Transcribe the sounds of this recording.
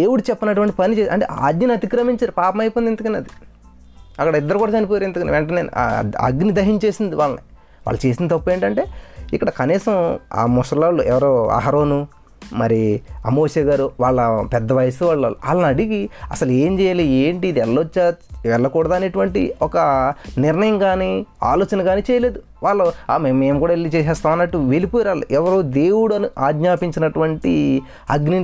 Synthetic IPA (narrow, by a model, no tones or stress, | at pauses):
d̪eːwuɽut͡ʃɛpːɐnɐʈ̬uʋɐɳʈi̥pɐnit͡ʃeːɐ̰ɳʈḛːa̰ːd̪ɲɐnɐt̪ikɾɐmiɲt͡ʃaːɾupaːpɐmɐjpond̪inɐkɐneɐd̪i | ɐkːɐɽɐid̪ːɐɾukuːɽɐt͡ʃɐnip̬oːjaːɾend̪ɐkɐniʋɛɳʈɐneːnṵa̰ɐ̰ɡnid̪ɐɦiɲt͡ʃe̞ːsind̪iʋaːɭːɐni | ʋa̰ːɭːɐt͡ʃe̞ːsind̪it̪ɐpːueːɳʈɐɳʈe̞ːikːɐɽɐkɐniːsɐma̰ːmusɐlaːluɛ̰ʋɐɾoːa̰ːɦɐɾoːnu | mɐɾiɐmoːʃɐɡaːɾuʋaːɭːɐpɛd̪ːɐʋɐjɐsuʋaːɭːɐlua̰ːlːɐnɐɽiɡiɐ̰sɐle̞ːmt͡ʃɛːjaːlieːɳʈiːd̪iɛlːot͡ʃːaɛlːɐkuːɽɐd̪aːneʈuʋɐɳʈḭɔkɐnɪɾnɐjɐmkaːnia̰ːlo̞ːt͡ʃɐnɐɡaːniːt͡ʃɛːjɐle̞ːd̪u | ʋaːɭːɐaːmmːeːmkuːɽaːelːit͡ʃɛːs̬ɛːst̪aːmɐnːɐʈːuʋelipojiɾaːlṵʔɛʋɐɾoːd̪e̞ːwuɽɐnuʔaːɡ̪ɲaːpiɲt͡ʃinɐʈuʋɐɳʈi | ɐɡni